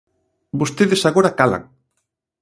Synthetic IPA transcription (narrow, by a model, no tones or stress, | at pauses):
bost̪eðesaɣoɾakala̰ŋ